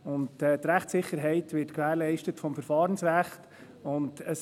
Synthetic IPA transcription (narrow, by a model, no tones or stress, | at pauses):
ʊntɛtɾæχtsɪχːəɾɦɛɪtʋɪtkʋæːɾlɛɪʃtətfɔmfəɾfɑːɾənsɾæχt | ʊndəs